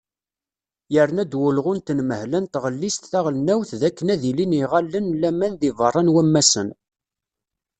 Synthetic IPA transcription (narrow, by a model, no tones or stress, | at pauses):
jəɾnæd̪wəlʁʊnt̪ənməhlænt̪ʁəlːist̪θæʁlənæwθðækːənæðiliniʁalːənlæmænðivərˤːɑnwæmːæsən